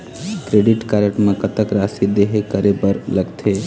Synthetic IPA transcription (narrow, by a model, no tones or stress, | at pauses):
kɾeːɖɪʈkaɾəʈmẽkɐt̪əkɾaːsid̪eɦekɐɾebəɾlɐɡt̪ʰeː